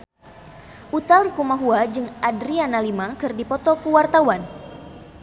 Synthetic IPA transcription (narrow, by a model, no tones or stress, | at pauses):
ʔut̪alikumaɦuad͡ʒɨŋʔadɾianalimakɨrdipɔt̪ɔkuwart̪awan